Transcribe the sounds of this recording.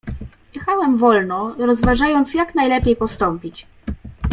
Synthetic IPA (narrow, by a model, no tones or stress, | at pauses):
jɛxawɛmvɔlnɔɾɔzvaʐajɔnt̪sjaknajlɛpʲjejpɔst̪ɔmpʲit͡ɕ